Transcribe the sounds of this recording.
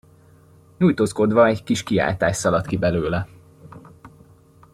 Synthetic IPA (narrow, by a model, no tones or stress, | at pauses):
ɲujt̪oːsko̞d̪ʋɒɛɟkiʃkia̰ːlt̪aːʃsɒlɒt̪kibɛløːlɛ